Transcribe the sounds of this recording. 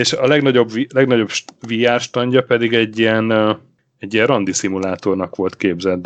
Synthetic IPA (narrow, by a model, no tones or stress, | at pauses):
eʃɒlɛɡnɒɟo̞bvilɛɡnɒɟo̞bʃvijaːʃt̪ɒɲɟɒpɛd̪iɡɛɟːiɛn | ɛɟːiɛrrɒnd̪isimulaːt̪o̞rnɒkʋo̞lt̪keːbzɛd̪